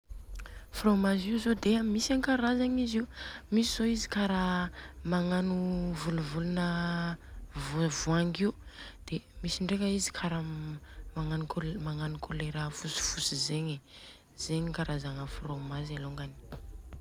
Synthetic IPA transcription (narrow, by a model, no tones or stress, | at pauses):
fromaziuzod̪eamisaŋkaɾazaɲiziumisiz̥oizi̥kaɾamaŋanuvuluvulunə | vvuaŋɡiud̪̥emisiɳɖ͡ʐekəizi̥kʰaɾəmaŋanukʰomaŋanukʰoleɾəfusi̥fusizeɲe | z̥eɲikaɾazaŋəfromazeloŋɡani̥